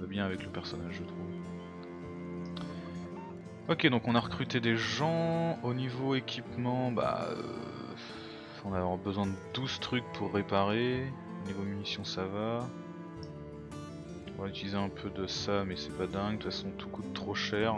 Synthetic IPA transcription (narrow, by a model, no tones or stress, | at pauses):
əbjɛ̃avɛkləpɛʁsɔnaʒʒət̪χuv | ɔkʲed̪ɔ̃kɔ̃naʁəkχyt̪ed̪eʒɑ̃onivoekʲʰipmɑ̃ba̰ø̰ | ɔ̃navwaʁbəzwɛ̃d̪əd̪uzt̪χyk̚pʰuʁːepaʁe | onivomynisjɔ̃sava | ɔ̃vayt̪ilizeɛ̃pʰød̪əsamɛsɛpad̪ɛ̃ɡt̪əfasɔ̃t̪u̥kut̪ːχoʃɛʁ